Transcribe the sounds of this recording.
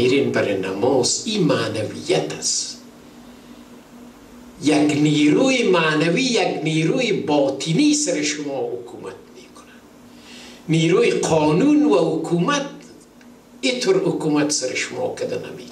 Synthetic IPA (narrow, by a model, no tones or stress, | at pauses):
iɾinbaɾena̰mɔːzimaːnavijat̪ʰḁs | jakniːɾuːimaːnaviːjaɡniːɾuːibɔːt̪ʰiniːsaɾiʃʊmɔːhʊkʰuːmat̪̚meːkʰʊ̥nad̪ | niːɾuːiqʰɔːnunvahʊkʰuːmat̪ | it̪ʰʊɾhʊkuːmat̪saɾɪʃʊmɔ̰ːkʰad̪ana̰me